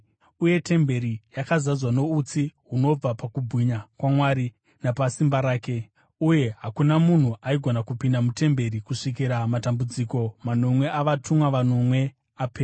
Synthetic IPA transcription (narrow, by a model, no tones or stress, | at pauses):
uje̞tʰe̞mbe̞ɾijakazazwano̞ut͡siɦuno̞b͡vapakubʱiɲakwamwaɾi | napasimbaɾaːke̞ | uje̞ɦakunamun̤uʔaiɡʱonakupindamute̞mbe̞ɾikuʂik̬iɾamatambud͡ziko̞mano̞mwe̞ʔaʋatʰumwaʋano̞mwe̞ | apeːra